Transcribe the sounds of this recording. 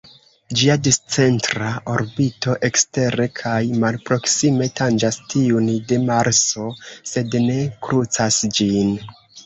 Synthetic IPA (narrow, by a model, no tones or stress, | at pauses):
d͡ʒiadist͡se̞ntɾao̞ɾbito̞ʔe̞kste̞ɾe̞kʰajmalpɾo̞ksime̞tand͡ʒastiundemaɾso̞se̞dne̞kɾut͡sasd͡ʒin